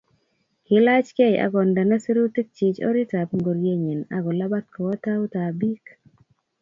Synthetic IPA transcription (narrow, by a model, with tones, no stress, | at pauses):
kɪ˨la˦t͡ʃke˦ja̰˨ɡɔ˨nda˨na˦si˦ɾu˦ti˦k̚t͡ʃɪ˨t͡ʃɔ̰˦ɾi˦ta˨pŋɡo˨ɾje˦ɲi˨na̰˦ɡɔ˨la˦ba˦t̪̚kɔ˨wɔ˦ta˦u˦ta˨bi˦k